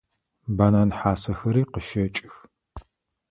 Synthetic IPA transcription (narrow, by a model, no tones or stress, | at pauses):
baːnanħaːsɐxɐɾiːqəʃɐt͡ʃʼɪx